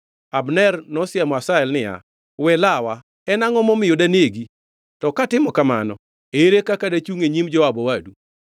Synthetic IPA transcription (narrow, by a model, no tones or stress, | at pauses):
abnɛrnɔsɪamɔasaɛlnɪja̰ | wɛlawa | ɛnaŋɔmɔmɪjodaneɡi | tɔkatɪmɔkama̰nɔ | eɾekakadat͡ʃuŋeɲimd͡ʒɔwabɔwadu